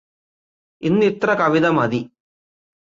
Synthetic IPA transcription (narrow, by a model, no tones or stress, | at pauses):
inːit̪rɐkɐʋid̪ɐmɐd̪i